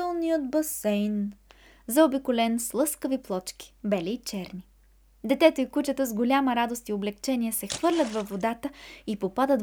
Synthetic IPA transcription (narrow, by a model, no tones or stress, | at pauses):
ɛlˠnijət̪̚bɐsɛjn | zɐobikʊlɛnslˠɤskəviplˠɔt͡ʃk̟i̥bɛlʲiːt͡ʃɛɾni | d̪ɛt̪ɛt̪əikut͡ʃət̪əzɡolʲaməɾad̪ost̪ioblɛkt͡ʃɛniɛsɛxvɤɾlʲət̪vɐfːod̪at̪əipopad̪ət̪